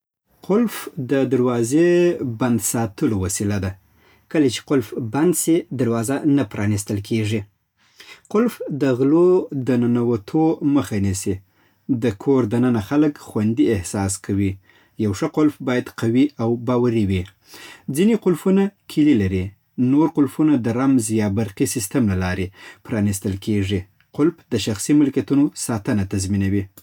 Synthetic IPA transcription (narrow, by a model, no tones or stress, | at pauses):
qʊlfd̪əd̪aɾwɑzeband̪sɑt̪əlowasilad̪a | kəlat͡ʃe̥qʊlfband̪sid̪aɾwɑzanapɾɑnist̪əlkʰeʐi | qʊlfd̪əɣlod̪ənanawat̪ʰoməxanisi | d̪əkʰoɾd̪anənaxaləkxwand̪iɪhsɑskʰawi | jawʂəqʊlfbɑjad̪qawiawbɑwaɾiwi | d͡zineqʊlfunakʰɪlilaɾi | noɾqʊlfunad̪əɾamzjɑbaɾqisɪst̪əmlalɑɾepɾɑnist̪əlkʰeʐi | qʊlfd̪əʃaxsimʊlkat̪unosɑt̪ənat̪azminawi